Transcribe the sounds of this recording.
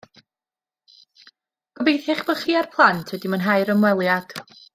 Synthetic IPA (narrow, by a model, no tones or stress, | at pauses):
ɡ̥əbejθɪχb̥ɔχiːarpʰlˠantʰwɛdimənɦajɾəmwɛlˠjad̥